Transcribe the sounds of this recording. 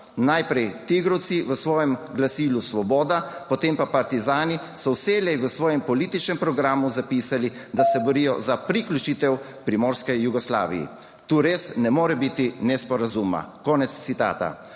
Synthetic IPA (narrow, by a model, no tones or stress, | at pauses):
najpɾɛjt̪iɡɾɔwt̪siʋəsʋɔːjɛmɡlasilusʋɔbɔːd̪apɔt̪eːmpapaɾt̪izaːni | sɔwselɛjʋəsʋɔːjɛmpɔliːt̪it͡ʃnɛmpɾɔɡɾaːmuzapiːsali | d̪asɛbɔɾijɔzapɾiklʲut͡ʃit̪ɛw | pɾimɔːɾskɛjuɡɔsla̰ːʋḭjḭ | t̪uːɾeːsnɛmoːɾɛbit̪inɛspɔɾazuma̰kɔːnɛt̪st̪sit̪a̰ːt̪a̰